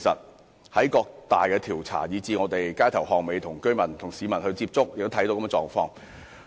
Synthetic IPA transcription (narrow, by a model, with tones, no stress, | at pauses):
sɐ̰˨t̚ | hɐ˨˥jkɔː˧k̚t̪aː˨jkɛː˧t̪ʰiː˨˩wt͡sʰa̰ː˨˩jiː˨˧t͡siː˧ŋɔː˨˧t̪e˨jkaː˥jt̪ʰɐ˨˩whɔː˨ŋ̚me˨˧jt̪ʰʊ˨˩ŋkɵ˥ɥmɐ˨˩nt̪ʰʊ˨˩ŋsiː˨˧mɐ˨˩nhɵ˧ɥt͡siː˧p̚t͡sʊ˥k̚jkt̪o˥t̪ʰɐ˨˥jt̪o˧˥wkɐ˥mɛ˧t͡sɔː˨˧ŋfɔː˧ŋ